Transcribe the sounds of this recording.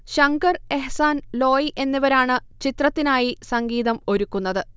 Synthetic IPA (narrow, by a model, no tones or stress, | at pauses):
ɕɐŋɡɐre̞ɦsaːnlo̞ːjiʔe̞nːiʋɐɾaːɳɨt͡ɕit̪rɐt̪ːinaːjisɐŋɡiːðɐmo̞ɾukːunːɐðɨ